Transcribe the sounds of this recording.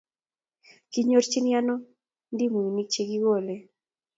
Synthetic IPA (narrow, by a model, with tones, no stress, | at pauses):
ki˦ɲo˦ɾt͡ʃi˦nja˦nɔ˦ | ndi˦mu˨i˨ni˦k̚t͡ʃe˨ɡi˦ɣo˦˨le˨